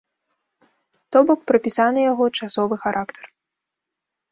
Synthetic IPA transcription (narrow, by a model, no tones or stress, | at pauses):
t̪ɔbɔk̚pɾɐpʲisanɨjaɣɔt͡ʂasɔvɨxaɾʔakt̪ɛ̥r